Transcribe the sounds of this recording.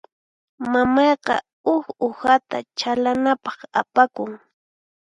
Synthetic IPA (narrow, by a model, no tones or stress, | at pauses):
mamɑjqɑ̰ | ʊxohat̪a̰t͡ʃalanapɑχapakʊŋ